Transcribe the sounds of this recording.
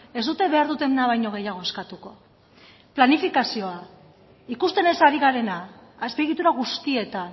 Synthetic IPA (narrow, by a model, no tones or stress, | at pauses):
e̞zd̪ut̪e̞βe̞aɾðut̪e̞mnaβajɲo̞ɣ̞e̞jaɣ̞o̞e̞skat̪uko̞ | planifikasio̞a | ikust̪e̞ne̞saɾiɣ̞aɾe̞naːspe̞ɣ̞it̪uɾaɣ̞ust̪ie̞t̪an